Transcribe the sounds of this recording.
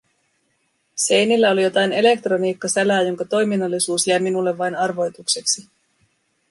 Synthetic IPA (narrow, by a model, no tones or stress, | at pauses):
se̞jnilːæo̞lijo̞t̪ɑjne̞le̞k̚t̪ro̞niːkːɑsælæːjo̞ŋkɑt̪o̞jminɑlːisuːsjæjminulːe̞ʋːɑjnɑrʋo̞jt̪ukse̞ksi